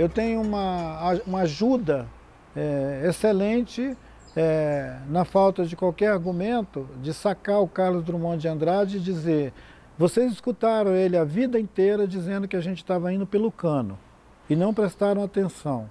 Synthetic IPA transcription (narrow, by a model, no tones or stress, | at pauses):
ewt̪ẽɲʊũmɐũmɐaʒud̪ɐ | ɛeselẽnt͡ʃɪ | ɛnɐfawt̪ɐd͡ʒɪkwawkɛɾaɾɡumẽnt̪ʊd͡ʒɪsakaʊkaɾlʊzd̪ɾumɐ̃d͡ʒɪɐ̃nd̪ɾad͡ʒɪd͡ʒizeɾ | vosejziskut̪aɾɐ̃w̃elɪɐvid̪ɐĩt̪eɾɐd͡ʒizẽnd̪ʊkɪaʒẽnt͡ʃɪ̥st̪avɐĩnd̪ʊpelʊkɐ̃nʊ̰ | ɪnɐ̃w̃pɾest̪aɾɐ̃w̃at̪ẽsɐ̃w̃